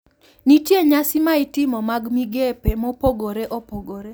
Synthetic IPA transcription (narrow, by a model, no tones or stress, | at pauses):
nitjeɲasɪmaɪtɪmɔmaɡmiɡepemɔpoɡoɾeʔɔpoɡoɾe